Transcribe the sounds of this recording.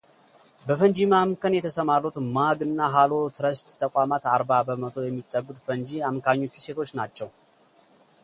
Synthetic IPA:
bəfənd͡ʒimamkʰənjɛt̪ʰəsəmaɾut̪maɡɨnːaɦalo̞t̪ʰɨɾəst̪t̪ʰːəkʷʼamat̪aɾbabəmət̪ʰo̞jɛmːit̪ʼːəɡut̪fənd͡ʒiamkʰaɲːo̞t͡ʃːuse̞t̪ʰo̞t͡ʃːnat͡ʃːɛw

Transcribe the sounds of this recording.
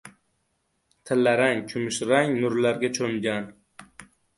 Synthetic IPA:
t̪ʰɪlːaɾaŋkʰʊmɪʃɾaŋnʊɾlaɾɡʲat͡ʃʰond͡ʒʲan

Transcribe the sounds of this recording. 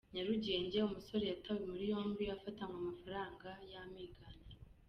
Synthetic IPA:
ɲaɾuɟe̞ːɲɟe̞omuso̞ɾejatawemuɾijoːmbiafatamamafaɾaːŋɡajamiɡana

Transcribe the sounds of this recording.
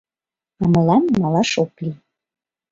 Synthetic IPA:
ɑmə̆lɑnmɑlɑʃokli

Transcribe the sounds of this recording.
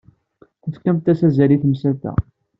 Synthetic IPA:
əθkæmt̪æsæzæɾiθəmsæθæ̰

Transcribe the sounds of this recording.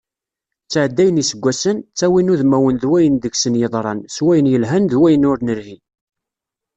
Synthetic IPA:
t͡sːaʕd̪ːæjənisəɡʷːæsənt͡sːæwinʊðmæwənðwæjənd̪əɡsənjəðˤɾˤɑnswæjənjəlɦænðwæjənʊɾnəlhi

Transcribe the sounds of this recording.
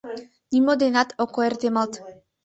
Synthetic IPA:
nimod̪enat̪okoerd̪emalt̪

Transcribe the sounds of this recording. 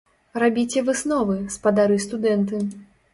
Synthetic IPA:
rabʲit͡sʲɛvɨsnɔvɨspɐd̪aɾɨst̪ud̪ɛnt̪ɨ

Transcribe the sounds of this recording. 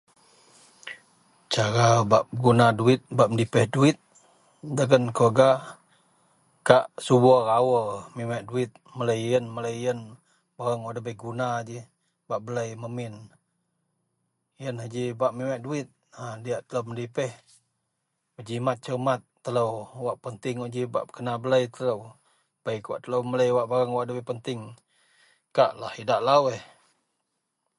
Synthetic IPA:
t͡ʃaɾabaʔbəɡunaduɪt̪̚baʔməndipəhduɪt̪̚ | dəɡənkoɡaʔ | kaʔsubɔrawəmimɛʔduɪt̪̚mələjənmələjjən | bəɾəŋodəbəɡunad͡ʒi | baʔbələjməmɪn | jənad͡ʒibaʔmimɛʔduɪt̪̚adijaʔt̪ələwməndipəh | od͡ʒimat̪̚t͡ʃəmat̪̚ːələwwaʔpənt̪ɪŋoʔd͡ʒiba̰ʔkənabələjt̪ələw | b̥ajkua̰ʔt̪ələwmələjwaʔbaɣaŋwaʔdəbəpənt̪ɪŋ | kaʔlahidaʔlawɛh

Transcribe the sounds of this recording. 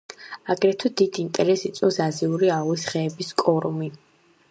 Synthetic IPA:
aɡɾɛt̪ʰid̪id̪int̪ʼɛɾɛsit̪sʼɔsaziuɾiauisχɛːbiskʼɔɾṵmi

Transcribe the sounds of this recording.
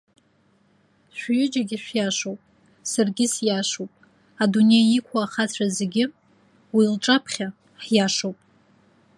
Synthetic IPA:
ʃᶣʷɥʏd͡ʒaɡʲiʃᶣʷjaʂowpʼ | sarɡʲɪsjaʂowpʼ | adunejikʷʰaːχat͡sʷʰazeɡʲɪ | wilʈ͡ʂʼapʰχʲa | ħjaʂowpʼ

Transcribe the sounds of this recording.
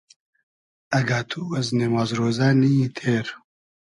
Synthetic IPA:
ɐɡat̪ʰuwɐznemɑːzɾoːzaːnit̪ʰeːɾ

